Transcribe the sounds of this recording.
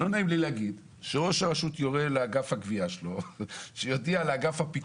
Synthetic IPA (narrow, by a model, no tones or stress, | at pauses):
lonaimlileaɡid̪ | ʃeʁo̞ʃaʁaʃut̪joʁeleaɡafhaɡviaʃelo̞ʃejo̞dialeaɡafhapik